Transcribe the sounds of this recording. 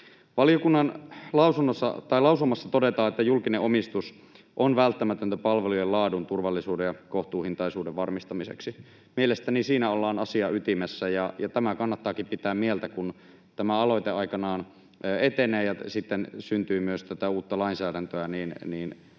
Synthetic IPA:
ʋɑliokunːɑnlɑusunːosːɑ̰t̪ɑilɑusumːɑsːɑt̪odet̪ɑːet̪ːæjulkineʔomist̪us | ʔonʋælt̪ːæmæt̪ønt̪æpɑlʋelujelɑːdunt̪urʋɑlːisuːdejɑkoht̪uːhint̪ɑisuːdeʋʋɑrmist̪ɑmisḛksi | mielest̪ænisiːnæolːɑːnɑsiɑyt̪imesːæjɑjɑt̪æmækɑnːɑt̪ːɑːkimpit̪æːmmielt̪ækun | t̪æmæɑlojt̪eɑikɑnɑːn | øːet̪eneːjɑsit̪ːensynt̪yːmyøst̪æt̪æuːt̪ːɑlɑinsæːdænt̪øæniːnniːn

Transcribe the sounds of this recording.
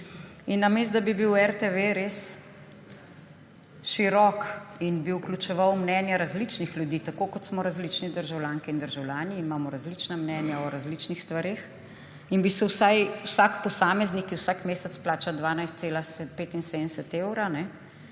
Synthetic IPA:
inːamest̪d̪abibiwɛɾt̪eʋeɾes | ʃiɾɔkinbiuklʲut͡ʃɛʋawmnɛnjaɾazlit͡ʃnixlʲjud̪iːt̪akoːkɔt̪smɔɾazlit͡ʃnɛd̪əɾʒawljaːŋkɛind̪əɾʒawlʲjaːniːmaːmɔɾazlit͡ʃnamnɛnjaɔɾazlit͡ʃnixst̪ʋaɾex | inbisɛwsajwsakpɔsaːmɛznikiwsaːkmeːsɛt̪splaːt͡ʃad̪ʋaːnajst̪seːlaspeːt̪insed̪nsɛt̪eːwɾanɛ

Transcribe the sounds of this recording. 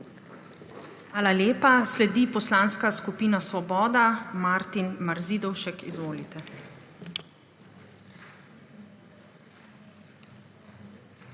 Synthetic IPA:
aːlaleːpaslɛd̪ipɔslaːnskaskupiːnasʋɔbɔːd̪amaɾt̪inmaɾziːd̪ɔwʃɛkizʋoːlit̪ɛ

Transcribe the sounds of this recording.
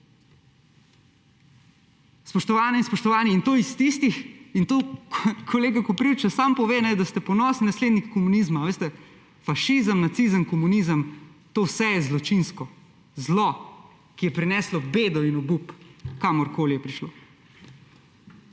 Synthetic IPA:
spɔʃt̪ɔʋaːnɛinspɔʃt̪ɔʋaːniːnt̪oːist̪ist̪ixint̪okʰɔleːɡakɔpɾiwt͡ʃasampɔʋeːnɛd̪ast̪ɛpɔnɔːsninasleːd̪nikkːɔmunizmaʋeːst̪ɛ | faʃizəmnat̪sizəmkɔmunizəmt̪oːwsɛjɛzlɔt͡ʃinskɔ | zlɔ | kijɛpɾinɛːslɔbeːd̪ɔinɔbupkaːmɔɾkoːlijɛpɾiʃloː

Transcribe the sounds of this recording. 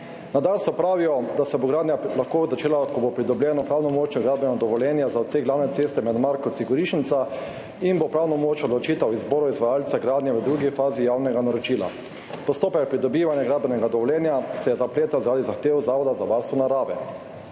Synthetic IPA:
nad̪alsɔpɾaːʋijɔd̪asɛboɡɾaːd̪njalaxkoːzat͡ʃeːlakɔbopɾid̪ɔbljɛːnɔpɾaːwnɔmoːt͡ʃnɔɡɾaːd̪bɛnad̪ɔʋɔljɛːnjazaɔt̪seɡlaːwnɛt̪seːst̪ɛmɛd̪maɾkɔt̪siɡɔɾiːʃnit̪sa | inbopɾaːwnɔmoːt͡ʃɔd̪lɔt͡ʃiːt̪awizboːɾɔizʋajaːlt̪saɡɾaːd̪njɛʋəd̪ɾuɡifaːzijawnɛɡanaɾɔt͡ʃiːla̰ | pɔst̪oːpɛk̚pɾid̪ɔbiːʋanjaɡɾad̪̚bɛnɛɡad̪ɔʋɔljɛːnjasɛjɛzapleːt̪azaɾad̪izaxt̪eːwzaːʋɔd̪azaʋaɾst̪ʋɔnaɾaːʋɛ̰

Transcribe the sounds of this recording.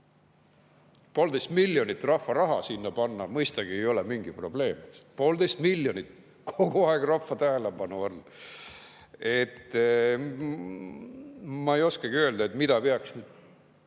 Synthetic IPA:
po̞ːld̪e̞jst̪milʲjo̞nit̪ːˑrɑfːɑɾɑɦɑ̰sinːɑpɑnːɑmɤjst̪ɑɡ̥ie̞jo̞le̞miŋɡ̥ipro̞ble̞ːmpo̞ːld̪e̞jst̪milːjonit̪ | kʰo̞ɡuɑeɡ̥rɑfːɑt̪æɦelebɑnuɑlː | e̞t̪ː | mɑejo̞skɑɡiø̞ld̪ɑe̞t̪mid̪̥ɑpeɑksnyd̪̥

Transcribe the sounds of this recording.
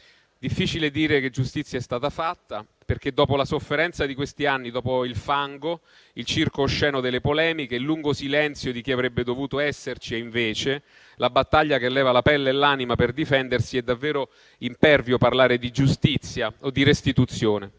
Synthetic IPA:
d̪ifːiːt͡ʃiled̪iːɾek̟ed͡ʒːust̪it̪sːjaɛst̪aːt̪afat̪ːa | perk̟ed̪ːɔːpolasofːeɾɛnt̪sad̪ikwest̪ianːid̪ɔːpoilfaŋɡo | ilt͡ʃirkoʃːɛːnod̪elːepolɛːmikelːuŋɡosilɛnt̪sjod̪ik̟iavɾɛbːed̪ovuːt̪oɛsːert͡ʃieiɱveːt͡ʃe | labat̪ːaʎːak̟elːɛːvalapɛlːelːaːnimaperd̪ifɛnd̪ersiɛd̪ːavːɛːɾo | impɛrvjoparlaːɾed̪id͡ʒust̪it̪sːjaod̪ːirest̪it̪ut̪sjoːne

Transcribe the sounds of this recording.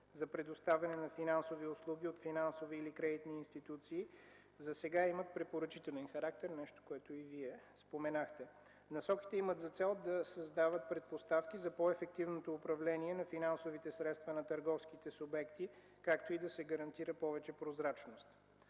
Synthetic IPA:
zɐpɾɛd̪ost̪avʲɐnɛnɐfinansoviʊslˠuɡʲiot̪finansoviːlikɾɛd̪it̪niːnst̪it̪ut̪siː | zɐsɛɡaimət̪pɾɛpoɾɐt͡ʃit̪ɛlʲɛnxɐɾak̚t̪ɛɾnɛʃt̪o̥koɛt̪oiviɛspomɛnaxt̪ɛ | nɐsɔkʲi̥t̪ɛimət̪zɐt̪sɛlˠd̪ɐsɐzd̪avət̪̚pɾɛt̪̚post̪afk̟izɐpɔɛfɛk̚t̪ivnot̪oːpɾɐvlɛniɛnɐfinansovit̪ɛsɾɛt̪st̪vənɐt̪ɐɾɡɔfskit̪ɛsʊbɛkt̪i | kakt̪oid̪ɐsɛɡɐɾɐnt̪iɾəpɔvɛt͡ʃɛpɾozɾat͡ʃnost̪

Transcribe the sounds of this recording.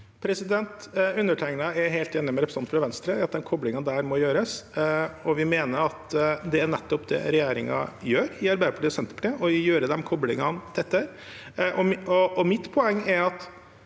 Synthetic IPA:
pʰɾɛsɪd̪ɛnt̪ʉnːəʈʰæɪŋnɑɛɾɦeɪlt̪eːnːɪmɛɾɛpɾəsɑnt̪fɾɑʋɛnst̪ɾəɑt̪̚d̪ɛmkʰɔblɪŋɑd̪æːɾmɔjøːɾəs | ɔʋɪmeːnəɾɑt̪d̪ɛæɳɛt̪ːɔpd̪ɛ̰ɾɛjeːɾɪŋɑ̰jøːɾɪɑɾbæɪd̪əpʰɑʈiːɔsɛnt̪əɾpʰɔ̥t̪ʈ̪ʰeːɔjøːɾəd̪ɛmkʰɔblɪŋɑnd̪ʰɛt̪ːəɾ | ʔɔɔɔmɪt̪ːpʰɔɛŋːæɾɑt̪

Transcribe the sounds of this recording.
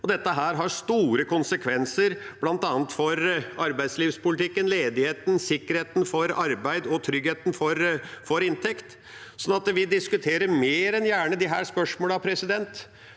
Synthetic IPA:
ɔd̪ɛt̪ːəɦæːɾɦɑɾʂt̪uːɾəkʰʊnsəkʰʋɛnsəɾb̥lɑnt̪ɑːnət̪fɔɾɑɾbæɪsliːʋspʊlɪt̪ʰɪkːənleːd̪ɪheːt̪n̩sɪkːəɾheːt̪n̩fɔɾɑɾbæɪd̪ɔt̪ʰɾʏɡheːt̪n̩fɔɾfɔɾɪnt̪ʰɛkt̪ | sɔnːɑt̪ʋɪd̪ɪskʉt̪ʰeːɾəɾmeːɾɛnjæːɳəd̪ɪɦæ̰ːspœʂmoːləɑpʰɾɛsɪd̪ɛnt̪

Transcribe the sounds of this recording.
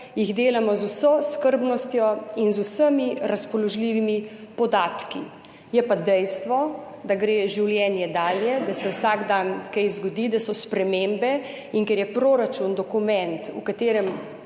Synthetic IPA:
jiɣd̪eːlamɔzusɔskəɾbnɔst̪jɔinzusəmiɾaspɔlɔʒliːʋimipɔd̪aːt̪kḭ | jɛpad̪ɛjst̪ʋɔ | d̪aɡɾeʒiwljɛnjɛd̪aːljɛd̪asɛwsaɡd̪ankɛjzɡɔd̪iːd̪asɔspɾɛmembɛ | iŋkɛɾjɛpɾoɾat͡ʃund̪ɔkumɛ̃nt̪ṵkat̪eːɾɛm

